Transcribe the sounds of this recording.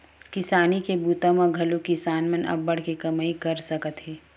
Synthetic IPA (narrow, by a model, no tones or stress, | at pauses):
kɪsaːnikebuːt̪ãmãɡʱɐlõkisaːnmɐnɐ̰bːɐɽ̤kekɐmaːikɐɾsɐkət̪ɦɛː